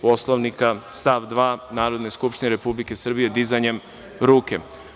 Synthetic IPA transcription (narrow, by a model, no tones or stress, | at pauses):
poslˠoʋnikast̪aʋd̪ʋaːnaːɾod̪ne̞skupʃt̪ineɾe̞publike̞sr̩bije̞d̪izajɲe̞m | ɾuːke